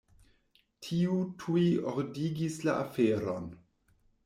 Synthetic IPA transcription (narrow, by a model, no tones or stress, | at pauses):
tʰiutʰujioɾdiɡislaafeɾon